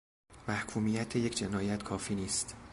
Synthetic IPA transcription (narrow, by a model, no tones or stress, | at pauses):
mæhkʰuːmiːjæt̪ʰejecʰd͡ʒenɒːjæt̪kʰɒːfiːniːst̪